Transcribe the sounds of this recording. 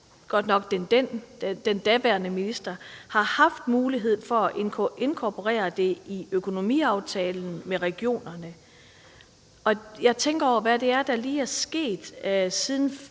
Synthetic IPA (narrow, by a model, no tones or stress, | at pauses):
ɡ̥ɒ̽d̥nɒ̽ɡ̥d̥end̥en̥d̥end̥æʋæɐnəminisd̥ɐhɑ̈hɑ̈fd̥muːliɦe̝ð̞̰ˠfɒ̽æʔenkʰoʔe̝nkʰɒpʰo̝ʁɛ̰ːɐd̥e̝iøkʰo̝no̝mḭːɑ̈ʊt͡sʰɛːln̩meʁɛɡ̥jo̝̰ːnɐnə | ɒ̽jɑ̈ɪt͡sʰeŋɡ̥ɐɒ̰ɐʋæd̥e̝æɐd̥ɑ̈liːæɐsɡ̥e̝̰ːd̥sið̞ˠn̩